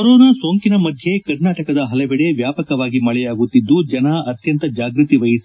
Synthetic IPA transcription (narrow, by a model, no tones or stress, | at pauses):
kɐɾoːnaːso̞ːŋkinɐmɐd̪ʱje̞kɐɾnaːʈɐkɐd̪ɐɦɐlɐbɛɽe̞ʋjaːpɐkɐʋaːɡimɐɭɛjaːɡut̪ːid̪ːud͡ʒɐnaɐt̪jɐnt̪ɐd͡ʒaːɡɾut̪iʋɐjis